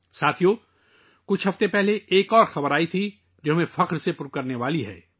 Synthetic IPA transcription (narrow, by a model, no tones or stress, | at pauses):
saːt̪ʰijo | kʊt͡ʃʰɦɐft̪epɛɦleeːkɔːɾxɐbəɾaːit̪ʰi | d͡ʒʊɦmẽfɐqɾsepʊɾkɐɾneʋaːliɦɛ̰ː